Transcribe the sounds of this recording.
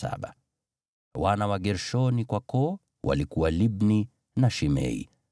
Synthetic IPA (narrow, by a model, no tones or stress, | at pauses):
a̰ɓa | wanawaɠɛɾʃɔnikwakɔ | wa̰likuwalibni | naʃimɛ̰ḭ